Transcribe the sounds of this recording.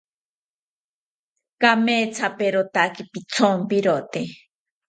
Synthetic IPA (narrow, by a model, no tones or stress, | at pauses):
kameːt͡sʰapeɾot̪akipit͡sʰompiɾot̪e